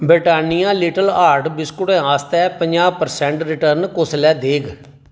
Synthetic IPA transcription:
bɾɪʈaːnijãːliːʈəlaːɾʈbɪskʊɽɛ̃ːaːst̪ɛːpəɲd͡ʒaːpəɾsɛ̃ːɳʈɾɪʈəɾnkoslɛːd̪eːɡ

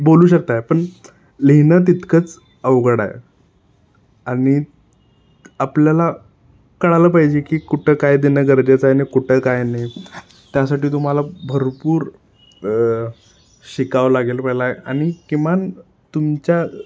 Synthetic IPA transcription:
boluːɕək̚t̪ajepəɳ | liɦnət̪̬it̪kʰət͡s | əʋɡɽa̰jḛ | aɽ̃i | apljala | kəɽaləpaɦid͡ʑekiːkuʈʰekajd̪inəɡəɾd͡ʑet͡sajnekuʈʰəkajne | t̪jasaʈiːt̪̬um̤alabʱəɾpuːɾ | ɕikaʋlaɡelpəɦjlaeaɽ̃ikiman | t̪umt͡ɕja

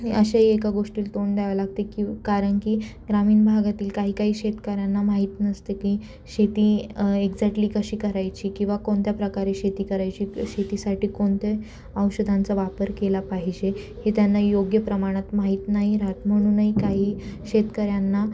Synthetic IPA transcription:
əɕaɦiekaɡoʂʈiːlt̪oɳd̪aʋlaɡ̚t̪ekikaɾəɳkiːɡɾamiːɳbʱaɡat̪iːlkaɦiːkaɦiːɕet̪kəɾjanːamaɦit̪nəst̪eki | ɕet̪iːeɡd͡zaʈliːkəɕiːkəɾajt͡ɕiːkĩw̃ʋakoɳt̪japɾəkaɾeɕet̪iːkəɾajt͡ɕiːɕet̪isaʈʰiːkoɳt̪e | əwɕəd̪ʱant͡səʋapəɾkelapaɦid͡ʑe | het̪janːajoɡjəpɾəmaɽ̃at̪maɦiːt̪naɦiɾat̪m̤əɽ̃uːnəɦikaɦiːɕet̪kəɾjanːa

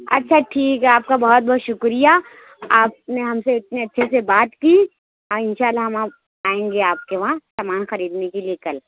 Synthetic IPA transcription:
ɐ̰tːʃʰaʈʰiːkɦɛaːp̚kabɐɦɔt̪̚bɔɦːt̪ʃʊkɾija | aːp̚neɦɐmseɪt̪̚neɐtːʃʰesebaːt̪ki | ɔːɪnʃaːlːaɦɐmã | aːẽːŋɡeaːp̚keʋɐɦãsaːmaːnxɐɾiːd̪nekelijekɐl

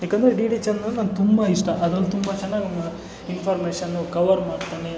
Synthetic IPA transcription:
ɦjaːkend̪ɐɾeɖiːɖit͡ʃɐnɐnːnaːnt̪umbɐiʂʈɐʔɐd̪ɐlːut̪umbat͡ʃɐnːaːɡnɐmɐ | inpʰaːɾmeːʂɐnːukɐʋɐɾmaːɖt̪aːne

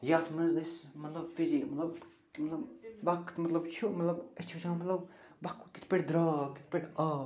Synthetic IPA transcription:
jaːt̪məzɐsmɐt̪lɐbfizikmɐt̪lɐb | mɐt̪lɐbbɐkʰːt̪mɐt̪lɐbt͡ʃʰuʔmɐt̪lɐbet͡ʃʰut͡ʃʰaːmɐt̪lɐb | bɐkʰːki̥t̪ʰpeʈd̪ɾaːki̥t̪̚ʰpʲeʈaː

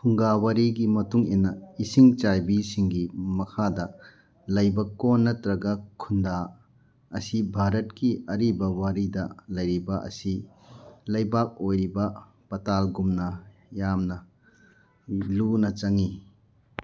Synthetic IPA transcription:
pʰuŋɡawaɾiɡimɐtuŋinːɐisiŋt͡ʃajbisiŋɡimɐkʰadɐ | lɐjbɐkonːɐtɾɐɡɐkʰunda | ɐsibʱaɾɐt̚kiɐɾibɐwaɾidɐlɐjɾibɐʔɐ̰si | lɐjbak̚ojɾibɐ | pɐtalɡumnɐjamnɐ | lunɐt͡ʃɐŋi

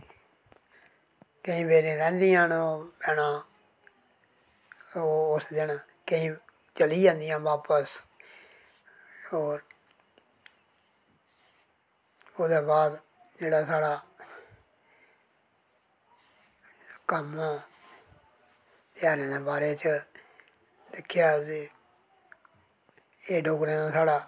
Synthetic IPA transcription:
kə̃ĩːbeːɾẽːɾɛ̃ːnd̪ijãːnopɛːnãː | oːʊsd̪ɪn | kəĩː | t͡ʃəliːd͡ʒãːnd̪ijãːʋaːpəs | oːɾ | oːd̪eːbaːd̪ | d͡ʒeːɽaːsaːɽaː | kəmãː | t̪ɪjaːɾẽːd̪eːbaːɾeːt͡ʃə | d̪ɪkʰːjaːsi | eːɖoːkɾẽːnaːsaːɽaː

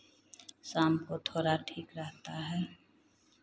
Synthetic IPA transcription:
saːmkot̪ʰoːɾaʈʰiːkɾəɦt̪aɦɛː

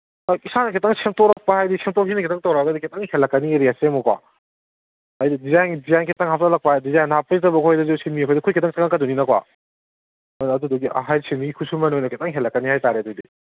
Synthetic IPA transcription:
kisanɐkʰetaŋsemtɔɾɐk̚pahajdisemtɔkʰinɐkʰetaŋtawɾaɡɐdikʰetaŋhelːɐkːɐnieɾiasemɔkwa̰ | ajdidizajnɡidizajnkʰetaŋhap̚ʰtalɐk̚pahajdizajnapːɐitɐbɐkʰɔjdɐzesinmikʰɔjdɐkʰujkʰetaŋsaŋakɐduninɐkwa̰ | nːdudɔɡia̰ɦajseniɡikʰusumanojnɐkʰetaŋɦelːɐkːɐnihajtaɾeɐdudi

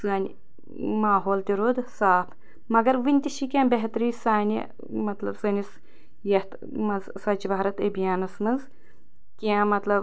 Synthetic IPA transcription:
sɨːnʲ | maːɦoːlt̪ʲiɾuːd̪saːpʰ | mɐɡɐɾʋinʲt̪ʲiʃikʲãːbeɦt̪ɾiːsaːnʲḭ | mɐt̪lɐbsɐnʲis | jɐht̪ | mɐnzsɐt͡ʃibaːɾɐt̪ɐbijaːnɐsmɐnz | kʲiãmɐt̪lɐb

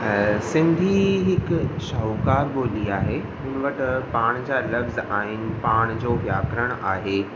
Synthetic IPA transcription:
sɪ̃nd̪ʱiɦɪkʃaukaːɾɓoːliaːɦeɦʊnʋəʈpaːɽ̃d͡ʑaːlɐfzaːɦɪnɪ̆paːɽ̃d͡ʑoːʋjaːkɾəɽ̃aːɦeː

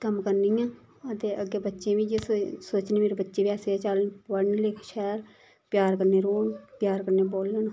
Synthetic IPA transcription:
kəmkəɾniːjãː | ət̪eːʔəɡeːbətːʃẽːʋĩːd͡ʒeːssoːt͡ʃniːmeːɾebətːʃeːʋjaːseːɛt͡ʃəlnʋəɳlɪkʰʃɛːɾ | pjaːɾkəɾneːɾoːnpjaːɾkəɾneːboːlən

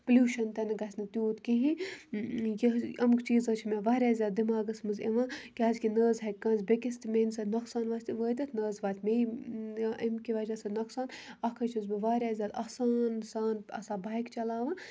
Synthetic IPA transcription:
plʲuːʃɐnt̪ɐnɐɡɐsʲnɨt̪juːt̪kiɦi | jɐɐmkt͡ʃiːzɐt͡ʃʰmeʋaːɾʲaːzʲjaːd̪̚d̪imaːɡɐsmɨzḛʋãːkʲaːzkʲinəːzɦɐkkːɐ̃ːnzʲbʲekʲist̪mensɐd̪nɐksaːnʋaːsʲt̪ʋəːt̪ʲɐt̪ʰnəːzʋaːt̪ʰʲme | ʔɐmkʲiʋɐːd͡ʒɐsɐd̪nɐksaːnɐkʰət͡ʃʰizbiʋaːɾʲaːzʲjaːd̪ɐsaːnsaːnɐ̰saːbaːjkt͡ʃɐlaːʋãː

